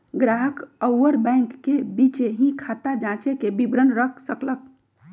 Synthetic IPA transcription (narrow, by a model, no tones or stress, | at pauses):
ɡɾaɦəkəwwəɾbɛ̃ŋkːebit͡ʃeɦĩkʰat̪ad͡ʒãt͡ʃekebibɾənɾəkʰsəklək̚